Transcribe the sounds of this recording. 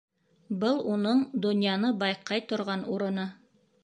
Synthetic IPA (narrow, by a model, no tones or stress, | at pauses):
bɤlˠunɤɴd̪ŏnjɑnɤbɑjqɑjt̪ŏɾʁɑnuɾɤ̆nɤ